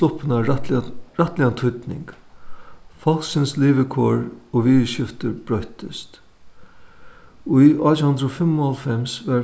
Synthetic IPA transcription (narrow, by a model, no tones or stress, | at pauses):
ʊpɪna | ɹat̪lɪant̪ʰʊt̪nɪ̰ŋk | fɔl̥sɪnsliːʋɪkʰoːɹɔʋiːðʃɪft̪əɾbɾœht̪ɪst̪ | ʊjʔɔːt̪hʊnd̪ɾofɪmːʊɔlfɛmsʋɛ